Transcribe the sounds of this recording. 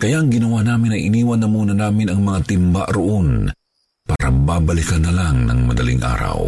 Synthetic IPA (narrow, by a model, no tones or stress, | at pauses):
kɐjaʔɐŋɡɪnɐwaːnaːmɪnɐjʔɪniːwɐnːɐmuːnɐnaːmɪnɐŋmɐŋat̪ɪmba̰ʔɾʊʔon | paːɾɐbaːbɐlɪkanːɐlaŋnɐŋmɐd̪ɐlḭŋʔa̰ːɾɐ̰w